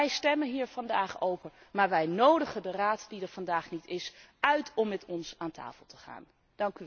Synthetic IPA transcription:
ɛjstɛmənɦiːɹvɑndaːχowpəɹmaːɹʋɛjnowdəχəndəraːtdidəɹvɑndaːχnitɪsœɥtʰɔmːɛtɔnsaːnta̰ːfəlˠtəχa̰ːn | d̥ɑŋky

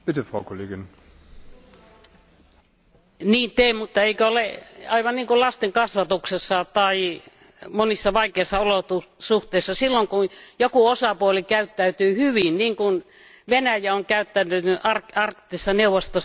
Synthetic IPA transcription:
pitəfʁɑ̰ʊkʰoleːɡɪn | niːnt̪eːmut̪ːɑeikøoleɑiʋɑnniːŋkullɑst̪eŋkɑsʋɑt̪uksesːɑt̪ɑi | monisːɑʋɑikeisːɑolot̪usuht̪eˑisːɑsilːoŋkunjokuosɑpuolikæyt̪ːæyt̪yːhyʋinniːŋkun | ʋenæjæoŋkæyt̪ːænːynyʔɑrɑrkt̪ːisːɑneuʋost̪os

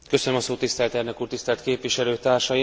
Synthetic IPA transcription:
kø̞sønømɒsoːt̪ːist̪ɛlt̪ɛrnøkuːrt̪ist̪ɛlt̪keːpʋiʃɛløːt̪aːrʃɒji

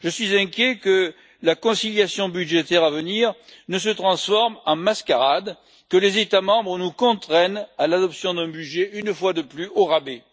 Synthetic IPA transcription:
ʒəsɥizɛ̃kʲjekə | lakɔ̃siljasjɔ̃byd̪ʒet̪ɛʁavəniʁnəsət̪χɑ̃sfɔʁmɑ̃maskaʁad̪ | kəlezet̪amɑ̃bʁənukɔ̃t̪χɛnalad̪ɔpsjɔ̃d̪ɛ̃byʒeynfwad̪əplyʔoʁabe

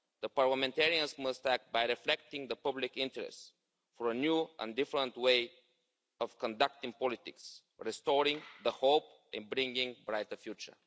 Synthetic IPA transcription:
ðəpaɹləmɛ̃ntɛɹiə̃nsməst̪ækbaɪjɹɪflɛk̚tɪ̃ŋðəpʌblɪkɪ̃ntəɹɛ̰st | fəɹənjuʔə̰̃ndɪfəɾə̃ntweɪ | ɔv̥kə̃ndʌk̚t̪ɪ̃ŋpɔlɪt̪ɪ̰ks | ɹɛstɔɾɪ̃ŋðəhoʊp | ʔɛ̰̃nbɹɪ̃ŋɡɪ̃ŋbɹaɪtəfjut͡ʃə̰˞

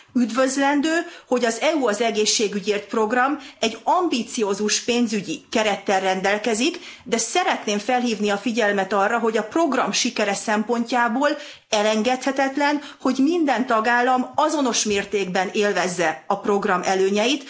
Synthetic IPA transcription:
yd̪vø̞zlɛnd̪øːho̞ɟɒzɛuɒzɛɡeːʃːeːɡyɟeːrt̪pro̞ɡrɒmɛɟːɒmbit̪sijoːzuʃpeːnzyɟikɛɾɛt̪ːɛrrɛnd̪ɛlkɛzikd̪ɛsɛɾɛt̪neːɱfɛlɦiːvniɒfiɟɛlmɛt̪ɒrːɒɦo̞ɟɒpro̞ɡrɒ̰mʃikɛɾɛsɛmpo̞ɲcaːboːl | ɛlɛŋɡɛt̪hɛt̪ɛt̪lɛnho̞ɟmind̪ɛnt̪ɒɡaːlːɒmɒzo̞no̞ʃmeːrt̪eːɡbɛneːlvɛzːɛɒpro̞ɡrɒmʔɛløːɲɛjit̪

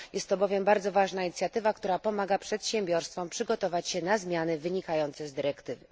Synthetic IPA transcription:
jʔɛst̪ːɔbɔvʲjɛmbaɾd̪zɔvaʐnaiɲit̪sʲjat̪ɘvakt̪uɾapɔmaɡapʂɛt̪ɕɛmbʲjɔɾst̪fɔmpʂɘɡɔt̪ɔvat͡ɕɕɛnazmʲjanɘvɘɲikajɔnt̪sɛzd̪ɘɾɛkt̪ɘvɘ

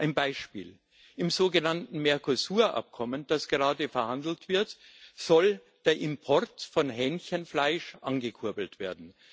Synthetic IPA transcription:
ʔaɪnbaɪʃpḭːl | ɪmzoːɡənantn̩mɛɐkʰosuːɐʔa̰p̚kʰɔmənd̥asɡ̥əʁaːdəfɛɐhandl̩tv̥ɪɐt | z̥ɔl | d̥eːɐʔɪmpʰɔʁtfɔnɦɛnçənflaɪʃʔanɡəkʰʊɐbl̩tv̥eːɐdn̩

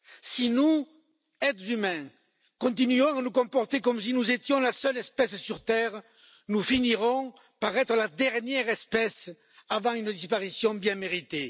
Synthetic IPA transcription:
sinu | ɛt̪ymɛ̃ | kɔ̃nt̪inyɔ̃anukɔ̃mpɔʁt̪ekɔms̬inuzet̪jɔ̃lasœlɛspɛssyʁt̪ɛʁə | nufiniʁɔ̃ | paʁɛt̪ʁəlad̪ɛʁnjɛʁɛspɛs | avɑ̃ŋynəd̪ispaʁisjɔ̃bjɛ̃meʁit̪e

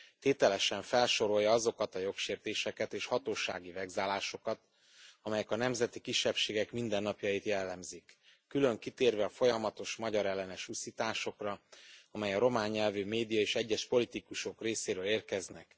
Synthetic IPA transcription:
t̪eːt̪ɛlɛʃɛɱfɛlʃo̞ɾo̞jːɒɒzo̞kɒt̪ɒjo̞kʃeːrt̪eːʃɛkɛt̪eːʃhɒt̪oːʃa̰ːɡivɛɡzaːlaːʃo̞kɒt̪̚ | ɒmɛjɛkɒnɛmzɛt̪ikiʃːɛpʃeːɡɛkmind̪ɛnːɒpjɒjit̪jɛlːɛmzikː | ylø̞ŋkit̪eːrvɛɒfo̞jɒmɒt̪o̞ʃmɒɟɒɾɛlːɛnɛʃusit̪aːʃo̞krɒɒmɛjɒɾo̞maːɲːɛlvyːmeːd̪ijɒeːʃɛɟːɛʃpo̞lit̪ikuʃo̞kreːseːɾøːleːrkɛznɛk

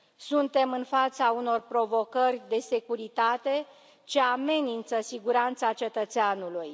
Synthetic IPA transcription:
sunt̪e̞mɨnfat̪sauno̞rpɾo̞vo̞kərʲd̪e̞se̞kuɾit̪at̪e̞ | t͡ʃe̞ame̞nint̪səsiɡuɾant̪sat͡ʃe̞t̪ət̪seanuluj

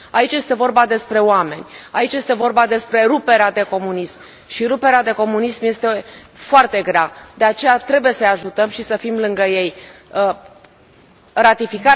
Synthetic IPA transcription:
ait͡ʃje̞st̪e̞vo̞rbad̪e̞spɾe̞oame̞nʲait͡ʃje̞st̪e̞vo̞rbad̪e̞spɾe̞ɾupe̞ɾead̪e̞ko̞munism | ʃiɾupe̞ɾead̪e̞ko̞munismje̞st̪e̞ | foart̪e̞ɡɾead̪e̞at͡ʃe̞jat̪ɾe̞buje̞səjaʒut̪əmʃisəfimlɨŋɡəje̞j | ɾat̪ifika

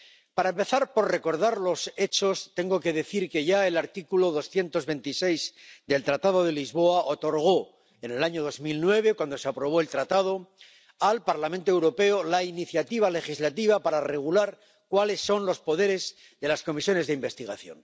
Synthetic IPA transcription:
paɾaempeθaɾpo̞ɾrre̞ko̞ɾðaɾlo̞se̞t͡ʃo̞st̪e̞ŋɡo̞ke̞ðe̞θiɾke̞ʝae̞laɾt̪ikulo̞ðo̞sθje̞nt̪o̞zβe̞nt̪ise̞jzd̪e̞lt̪ɾat̪að̞o̞ðe̞lizβo̞aʔot̪o̞ɾɣ̞o̞ | ene̞laɲo̞ð̞o̞zmilnwe̞β̞ekwand̪o̞seapɾo̞β̞o̞e̞lt̪ɾat̪að̞o̞ | alpaɾlamẽnt̪oewɾo̞pe̞olainiθjat̪iβ̞ale̞χizlat̪iβ̞apaɾare̞ɣ̞ulaɾ | kwale̞sːo̞nlo̞spo̞ðe̞ɾe̞z | ðe̞lasko̞misjo̞ne̞zðeimbe̞st̪iɣaθjo̞̰n

